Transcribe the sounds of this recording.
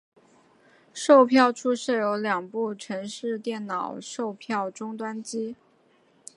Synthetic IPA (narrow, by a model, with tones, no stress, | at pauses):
ʂo˥˧ʊpʰjɑ˥˧ʊʈ͡ʂʰu˥ʂ̩˥˩jo˧˥ʊljɑ˨˩ŋpu˥˩ʈ͡ʂʰɤ˧˥ŋʂɻ̩˥˧t̪jɛ˥˩nnɑ˨˩ʊʂo˥˧ʊpʰjɑ˥˩ʊʈ͡ʂʊ˥ŋt̪wa˥nt͡ɕi˥